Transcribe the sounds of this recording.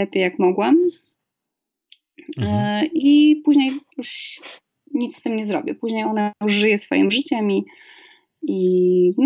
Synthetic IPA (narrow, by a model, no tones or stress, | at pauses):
ɛpʲejːakmɔɡwɛm | ipuʑɲejjuʂ | ɲit̪st̪ɘmɲɛzɾɔ̰bʲɛpuʑɲejɔnauʐɘjɛsfɔ̰jḭmʐɘt͡ɕɛmi | in